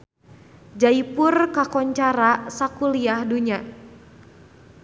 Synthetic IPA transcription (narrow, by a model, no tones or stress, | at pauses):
d͡ʒaipurkakɔɲt͡ʃaɾasakuliahduɲa